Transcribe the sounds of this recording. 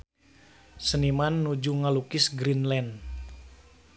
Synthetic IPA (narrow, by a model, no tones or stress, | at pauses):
sənimanːud͡ʒuŋalukɪsɡɾinlɛn